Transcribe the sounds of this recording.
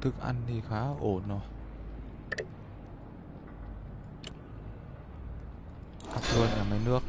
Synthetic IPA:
t̪ʰɨ˧˦k̚ʔa̰˧˩ntiː˧˩xaː˧˥ʔoː˨˩nɔ˧˩ | ʔa˧˩p̚lu˧˩ət̪̚ɲaː˨˩ma˧˩jnɨ˧˥ək̚

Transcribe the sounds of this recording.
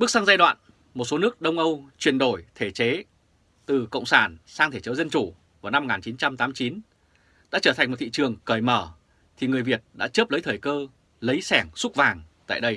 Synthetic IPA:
ɓɨ˦˥k̚sa˧ŋzaː˧jɗwa̰ː˧˨n | mo˨˩t̚so˨˦nɨ˦˥ək̚ɗə˧wŋ͡mʔə˧wt͡ɕwi˨˩ənɗo˧˩jt̪ʰe˧˩t͡ɕe˨˦ | t̪ɨ˨˩kə̰˧˨wŋ͡msaː˧˩nsaː˧ŋt̪ʰe˧˩t͡ɕə˨˦zə˧nt͡ɕu˧˩ | vaː˨˩wna˧mo˨ŋaː˨˩nt͡ɕi˨˦nt͡ɕa˧mt̪aː˨˦m˧˩t͡ɕi˨˦n | ɗa̰ː˧˥t͡ɕəː˧˩tʰa˨˩jŋmo˨˩t̪ʰḭ˧˨t͡ɕɨ˨˩əŋkəː˧˩jməː˧˩ | t̪ʰi˨˩ŋɨ˨˩əjvi˨˩ət̚ɗa̰ː˧˥t͡ɕəː˦˥p̚lə˨˦jt̪ʰəː˨˩jkəː˧ | lə˨˦jsɛ˧˩ŋsʊ˦˥k̚vaː˨˩ŋt̪a̰ː˧˨jɗə˧j

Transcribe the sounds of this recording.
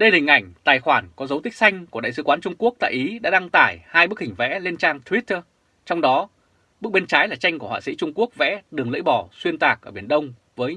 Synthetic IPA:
ɗə˧jhï˨˩ŋ̟ʔa˧˩jŋ̟t̪aː˨˩jxwaː˧˩nkɔ˨˦zə˨˦wt̪ï˦˥k̟̚sa˧jŋ̟ku˧˩əɗa̰˧˨sɨ˨˦kwaː˨˦nt͡ɕʊ˧ŋ͡mku˦˥ək̚t̪a̰ː˧˨ʔi˨˦ɗa̰ː˧˥ɗa˧ŋt̪aː˧˨˩jhaː˧jɓk̚hï˨˩ŋ̟vɛ̰˧˥le˧nt͡ɕaː˧ŋt̪ʰwi˦˥t̪ə˧ | t͡ɕɔ˧wŋ͡mɗɔ˨˦ | ɓɨ˦˥k̚ɓe˧nt͡ɕaː˨˦jlaː˨˩t͡ɕa˧jŋ̟ku˧˩əhwa̰ː˧˨sḭ˧˥t͡ɕʊ˧ŋ͡mku˦˥ək̚vɛ̰˧˥ɗɨ˨˩əŋlə̰˧˥jɓɔ˧˨˩swi˧ənt̪aː˨˩k̚ʔəː˧˩ɓi˧˩ənɗə˧wŋ͡m | vəː˨˦j

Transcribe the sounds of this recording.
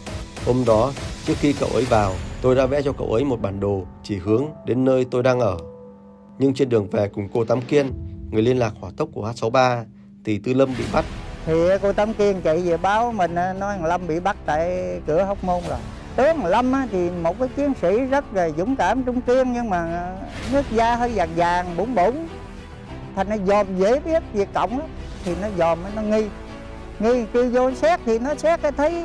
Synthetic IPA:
ho˧mɗɔ˨˦t͡ɕɨ˦˥ək̚xi˧kə̰˧˨wʔə˨˦jvaː˨˩wt̪o˧jɗa̰ː˧˥vɛ̰˧˥t͡ɕɔ˧kə̰˧˩wʔə˨˦jmo˨˩t̚ɓaː˨˩nɗo˨˩t͡ɕi˧˩hɨ˨˦əŋɗe˨˦nːəː˧jt̪o˧jɗaː˧ŋʔəː˧˩ | ɲɨ˧ŋt͡ɕe˧nɗɨ˨˩əŋvɛ˨˩kʊ˨˩ŋ͡mko˧t̪a˨˦mki˧ənŋɨ˨˩əjli˧ənlaː˨˩k̚hwaː˧˩t̪ə˦˥k͡p̚kːu˧˩əhaː˦˥t̚sa˨˦wɓaː˧ | t̪ʰi˨˩t̪ɨ˧lə˧mɓḭ˧˨ɓa˦˥t̚t̪ʰi˨˩˨ko˧t̪a˨˦mki˧ənt͡ɕi˧˨ze˨˩ɓaː˨˧˦wmï˨˩ŋ̟ʔaː˧˩nɔ˨˦˨ŋlə˧mɓḭ˧˨ɓa˦˥t̚t̪a̰ː˧˨jkɨ˧˩əɦɔ˨˦wk͡p̚mo˧nla˨˩ | t̪ɨ˨˦ə˨lə˧mʔaː˨˧˦t̪ʰi˨˩mo˨˩t̚kaː˨˦jt͡ɕi˨˦ənsḭ˧˥zə˦˥t̚ve˨˩jzʊ̰˧˥˦ŋ͡mkaː˧˩mt͡ɕʊ˧ŋ͡mki˧ənɲɨ˧ŋmaː˨˩ | nɨ˦˥ək̚zaː˧ɦəː˧jzaː˨˩ŋzaː˨˩ŋɓu˧˦nɓo˧˦n | t̪ʰa˨˩jŋ̟zɔ˨˦zɔ˨˩mze˧˩˦ɓi˦˥ət̚vi˨˩ək̚kə̰˧˨wŋ͡mʔaː˨˦t̪ʰi˨˩nɔ˨˦zɔ˨˩mʔaː˨˦nɔ˨˦ŋi˧ | ŋi˧k̪i˧wzo˧sɛ˦˥k̚t̪ʰi˨˩nɔ˨˦sɛ˦˥k̚ʔaː˨˦t̪ʰə˨˦j

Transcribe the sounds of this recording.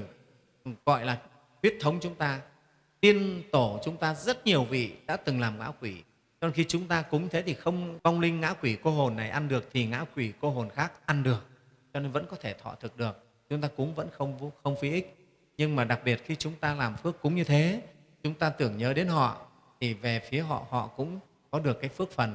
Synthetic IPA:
ɣɔ̰˧˨jlaː˨˩ | t̪wi˦˥ət̚t̪ʰə˨˦wŋ͡mt͡ɕʊ˨˦ŋ͡mt̪aː˧ | t̪i˧ənt̪o˧˩t͡ɕʊ˨˦ŋ͡mt̪aː˧zə˦˥t̚ɲi˨˩əwvḭ˧˨ɗa̰ː˧˥t̪ɨ˨˩ŋlaː˨˩mŋa̰ː˧˥kwi˧˩ | t͡ɕɔ˧ne˧nxi˧t͡ɕʊ˨˦ŋ͡mt̪aː˧kʊ˨˦ŋ͡mɲɨ˧t̪ʰe˨˦t̪ʰi˨˩xə˧wŋ͡mva˧wŋ͡mlï˧ŋ̟ːa̰ː˧˥kwi˧˩ko˧ɦo˨˩nːa˨˩jʔa˧nɗɨ˨˩ək̚t̪ʰi˨˩ŋa̰ː˧˥kwi˧˩ko˧ɦo˨˩nxaː˦˥k̚ʔa˧nɗɨ˨˩ək̚ | t͡ɕɔ˧ne˧nvə̰˧˥nkɔ˨˦t̪ʰe˧˩t̪ʰɔ̰˧˨t̪ʰɨ˨˩k̚ɗɨ˨˩ək̚ | t͡ɕʊ˨˦ŋ͡mt̪aː˧kʊ̰˨˦ŋ͡mvə̰˧˥nxə˧wŋ͡mxə˧wŋ͡mfi˨˦ʔi˦˥k̚ | ɲɨ˧ŋmaː˨˩ɗa˨˩k̚ɓi˨˩ət̚xi˧t͡ɕʊ˨˦ŋ͡mt̪aː˧laː˨˩mfɨ˦˥əkːʊ̰˨˦ŋ͡mɲɨ˧t̪ʰe˨˦ | t͡ɕʊ˨˦ŋ͡mt̪aː˧t̪ɨ˧˩əŋɲəː˨˦ɗe˨˦nɦɔ̰˧˨ | t̪ʰi˨˩ve˨˩fi˨˦əɦɔ̰˧˨hɔ̰˧˨kʊ̰˧˥ŋ͡m | kɔ˨˦ɗɨ˨˩əkːaː˨˦jfɨ˦˥ək̚fə˨˩n

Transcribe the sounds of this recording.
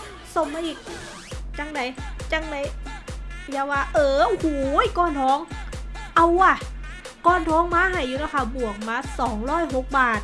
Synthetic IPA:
so˧˩mːaː˧˥ʔiː˨˩k̚ | t͡ɕa˧˥ŋda˨˦jt͡ɕa˧˥ŋda˨˦j | jaː˧˩waː˧˩ʔɤː˧˩ʔo˧hu˨˩˦jkɔː˧˩nt̪ʰɔː˨˦˥ŋʔa˧˩wa˧˩ | kɔː˧˩nt̪ʰɔː˨˧˥ŋmaː˧˥˨ɦa˨˩jːuː˧na˧˩kʰa˧˩bu˨˩ək̚maː˧˥˩sɔː˨˩˦ŋɾɔː˧˥˩jɦo˧˦k̚baː˨˩t̪̚

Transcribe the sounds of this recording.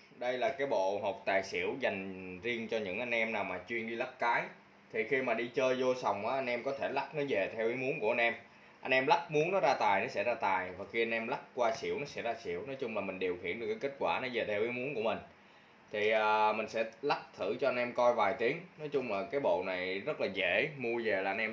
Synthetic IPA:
ɗə˧jlaː˨˩kaː˨˦jɓo̰˧˨ɦo˨˩k͡p̚t̪aː˨˩jsḭ˧˩əwza˨˩jŋ̟zi˧əŋt͡ɕɔ˧ɲɨ̰˧˥ŋʔa˧jŋ̟ʔɛ˧mnaː˨˩wmaː˨˩t͡ɕwi˧ənɗi˧la˦˥k̚kaː˨˦j | t̪ʰi˨˩xi˧maː˨˩ɗi˧t͡ɕəː˧jzo˧sa˨˩wŋ͡mʔaː˨˦ʔa˧jŋ̟ʔɛ˧mkɔ˨˦t̪ʰe˧˩la˦˥k̚nɔ˨˦ve˨˩t̪ʰɛ˧wʔi˨˦mu˨˦ənku˧˩əʔnʔɛ˧m | ʔa˧ŋʔɛ˧mla˦˥k̚mu˨˦əŋnɔ˨˦zaː˧t̪aː˨˩jnɔ˨˦sɛ̰˧˥zaː˧t̪aː˨˩jvaː˨˩xi˧a˧ŋ̟ʔɛ˧mla˦˥k̚kwaː˧sḭ˧˩əwnɔ˨˦sɛ̰˧˥zaː˧sḭ˧˩˨əwnɔ˨˦jt͡ɕʊ˧ŋ͡mlaː˨˩mï˨˩ŋ̟ɗi˨˩əwxḭ˧˥ənɨ˨˩əkːaː˨˦ke˦˥t̚kwaː˧˩nɔ˨˦ve˨˩t̪ʰɛ˧wʔi˨˦mu˨˦nku˧˩əmï˨˩ŋ̟ | t̪ʰi˨˩ʔəː˨˩mï˨˩ŋ̟sɛ̰˧˥la˦˥k̚t̪ʰɨ̰˧˩t͡ɕɔ˧ʔa˧nʔɛ˧mkɔ˧jvaː˨˩jt̪i˨˦əŋnɔ˨˦jt͡ɕʊ˧ŋ͡mlaː˨˩kaː˨˦jɓo̰˧˨na˨˩jzə˦˥t̚laː˨˩zḛ˧˩mu˧əve˨˩laː˨˩ʔjnʔɛ˧

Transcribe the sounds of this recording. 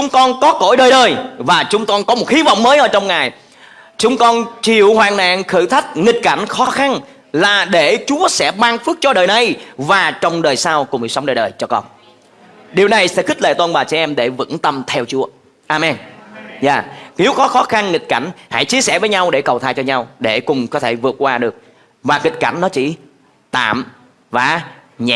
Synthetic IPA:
t͡ɕʊ˨˦ŋ͡mkɔ˧nkɔ˨˦ko̰˧˥jɗəː˨˩jɗəː˨˩jvaː˨˩t͡ɕʊ˨˦ŋ͡mkɔ˧nkɔ˨˦mo˨˩t̚xi˨˦vɔ̰˧˨wŋ͡mməː˨˦jʔəː˧˦t͡ɕɔ˧wŋ͡mŋaː˨˩j | t͡ɕʊ˨˦ŋ͡mkɔ˧nt͡ɕi˧˨əwhwaː˨˩na̰ː˧˨ŋxɨ˧˩t̪ʰa˦˥jk̟̚ŋï˨˩t̚ka˧˩jŋ̟xɔ˨˦xa˧n | laː˨˩ɗe˧˩t͡ɕu˨˦əsɛ̰˧˥ɓaː˧ŋfɨ˦˥k̚t͡ɕɔ˧ɗəː˨˩jna˨˩jvaː˨˩t͡ɕɔ˧wŋ͡mɗəː˨˩jsaː˧wkʊ˨˩ŋ͡mɗḭ˨˩sə˨˦wŋ͡mɗəː˨˩jɗəː˨˩jt͡ɕɔ˧kɔ̰˧n | ɗi˨˩əwna˨˩jsɛ̰˧˥xi̟˦˥ləḛ˧˨t̪o˧nɓaː˨˩t͡ɕɛ˧˥ʔɛ˧mɗe˧˩vɨ̰˧˥ŋt̪ə˧mt̪ʰɛ˧wt͡ɕu˨˦ə | ʔaː˧mɛ˧nza̰ː˧˩ne˨˦wxɔ˨˦xɔ˨˦xa˧nŋï˨˩t̚ka̰˧˩jŋ̟ha̰˧˥jt͡ɕi˧əsɛ̰˧˩vəː˨˦jɲa˧wɗe˧˩kə˨˩wt̪ʰaː˧˩jt͡ɕɔ˧ɲa˧wɗe˧˩kʊ˨˩ŋ͡mkɔ˨˦t̪ʰe˧˩vɨ˨˩ət̚kwaː˧ɗɨ˨˩ək̚ | vaː˨˩ŋï˨˩t̟̚ka˧˩ŋ̟nɔ˨˦t͡ɕḭ˧˩ | t̪a̰ː˧˨m | vaː˨˩ɲɛ̰˧

